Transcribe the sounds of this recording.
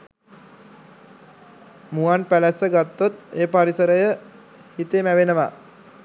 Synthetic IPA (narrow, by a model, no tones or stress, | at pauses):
muanpælæsəɡat̪ːot̪eːpaɾisəɾəjə | hit̪eːmæʋenəʋa